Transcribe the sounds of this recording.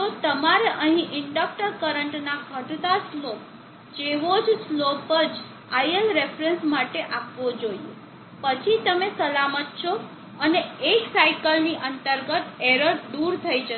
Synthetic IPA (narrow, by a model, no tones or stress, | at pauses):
t̪ot̪əmaɾeʔəɦĩʔɪɳɖək̚ʈəɾkəɾəɳʈnakʰəʈd̪aslop̚ | d͡ʒeʋod͡ʒslopəd͡ʒ | ajəlɾefɾensmaʈeʔapʋod͡ʒoie | pət͡ʃʰit̪əmesəlamət̪̚t͡ʃʰo | əneːksaikəlniʔənt̪əɾɡət̪eɾəɾd̪uɾt̪ʰəid͡ʒə